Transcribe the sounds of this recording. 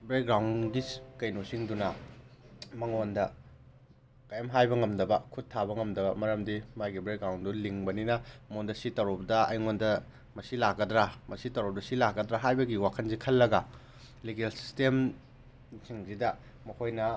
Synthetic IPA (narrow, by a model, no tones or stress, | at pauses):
bɾek̚ɡɾawnɡikɐjnosiŋdunɐ | mɐŋondɐ | kajamɦajbɐŋɐmdɐbɐkʰuttʰːaβɐŋɐmdɐbɐmɐɾɐmdimajɡibɾek̚ɡɾawnduliŋbɐninɐmondɐsitɐɾop̚dɐɐ̰jŋondɐ | mɐsilakːɐdɾamɐsitɐɾop̚dɐsilakːɐdɾaɦajbɐɡiwakʰɐnzikʰɐlːɐɡɐ | liɡelsi̥stem | siŋzidɐ | mɐkʰojnɐ